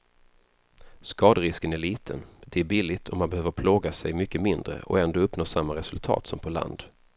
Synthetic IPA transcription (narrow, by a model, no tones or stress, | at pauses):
skɑːd̪əɾɪskənæɭiːt̪ʰənd̪ɛæɾbilːɪt̪ʰɔmːanbɛhøːvəɾpʰloːɡasɛjmʏkːəmɪnd̪ɾə̰ʔɔ̰ɛnd̪oːɵpːnoːʂamːaɾɛsɵlt̪ʰɑ̰ːt̪sɔmpʰɔla̰nd̪